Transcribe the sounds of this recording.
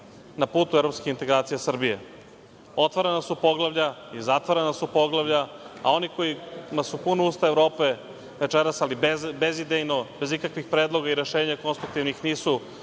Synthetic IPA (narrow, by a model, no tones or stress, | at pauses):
napuːt̪uevɾo̞pskeint̪e̞ɡɾaːt̪sijesr̩bije̞̰ | o̞t̪ʋaɾenasupo̞ɡlˠaʋʎaizat̪ʋoɾenasupo̞ɡlˠaʋʎaao̞niko̞jimasupunouːst̪aevɾo̞ːpe̞ | ʋe̞t͡ʃeɾasalibezid̪ejnobe̞zikakʋixpɾeːd̪lˠo̞ɡaiɾe̞ʃeːɲako̞nst̪ɾuk̚t̪iʋnixniːsu